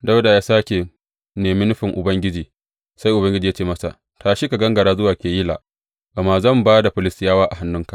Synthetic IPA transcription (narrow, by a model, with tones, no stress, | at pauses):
da˦wda˨jaː˦saː˦kʲe˨ | neː˨mi˦nʊ˦ɸɪ˨ŋʔʊ˨bɐ˦ŋɡʲɪ˦d͡ʒiː˨ | sa˦jʔʊ˨bɐ˦ŋɡʲɪ˦d͡ʒiː˨ja˦t͡ʃeː˦˨mɐ˦sa̰˨ | tʰaː˨ʃɪ˦ka˨ɡɐ˦ŋɡɐ˨ɽaː˦zʊ˦waː˨kʲeː˨jɪ˦la̰ː˨ | ɡa˨mːaː˨zɐ˦˨mbaː˦da˨ɸʊ˨lɪ˦stɪ˦jaː˦waː˦ʔa˨ɦa˦nːʊ˦ŋka˨ʔ